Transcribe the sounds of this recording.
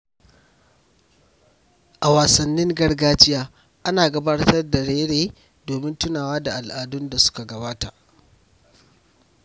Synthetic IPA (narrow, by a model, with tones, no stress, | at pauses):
ʔa˨waː˨sɐ˨nːɪ˦ŋɡɐ˦rɡaː˦t͡ʃɪ˦jaː˦ | ʔa˦naː˨ɡɐ˨baː˦rtɐ˦rda˨ɽeː˦ɽeː˦ | doː˨mɪ˦ntʊ˦naː˨waː˦da˨ʔa˨lʔaː˨dʊ˦nda˨sʊ̥˦ka˨ɡɐ˨baː˦ta˨ʔ